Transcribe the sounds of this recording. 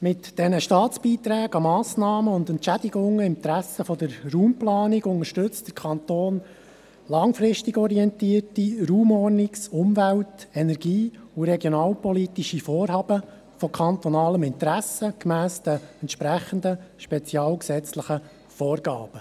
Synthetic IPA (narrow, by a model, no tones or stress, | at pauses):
mɪtd̥ɛnəʃtɑːt͡sb̥iːt̪ɾæːɡɑmɑːsnɑːməʊnd̪ɛntt͡ʃæd̪ɪɡʊŋːəɪmt̪ɾæsːəfɔd̪əɾruːmplɑːnɪɡʊŋəʃtɵt͡std̥əɾkʰɑnt̪oːn | lɑŋfɾɪʃtɪɡɔɾiɛnt̪iːərtiɾuːmɔrnɪksʊmvæltɛnɛɾɡiːuɾɛɡjonɑːlpɔlit̪iʃifɔːrɦɑːbə | fɔkʰɑnt̪ɔnɑːləmɪnt̪ɾæsəkmæːsd̪əɛntʃpɾæχənd̪əʃpɛt͡siɑːlksɛt͡sləχə | fɔːrɡɑ̰ːb̥ə